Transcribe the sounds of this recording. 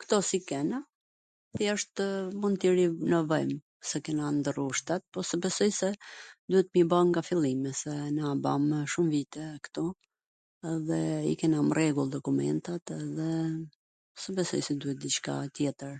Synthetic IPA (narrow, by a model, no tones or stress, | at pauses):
kt̪ɔsikɛna | θiəʃt̪munt̪iɾinəvɔjm | sɛkɛnand̪əɾuʃt̪at̪̚pɔsɛbɛsɔjsɛd̪uhɛt̪mibaŋɡafilˠimɛsɛnaːba̰mʃumvit̪ɛkə̥t̪ɔ | ɛðɛḭkɛnamrɛɡulˠd̪ɔkumɛ̰nt̪at̪ɛðɛ | sɛbɛsɔ̰jsɛd̪uhɛt̪̚d̪it͡ʃka̰t̪jɛt̪əɾ